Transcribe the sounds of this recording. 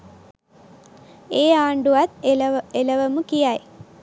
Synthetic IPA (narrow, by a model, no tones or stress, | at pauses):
eːaːɳɖuʋɐt̪elɐʋɐmukijaj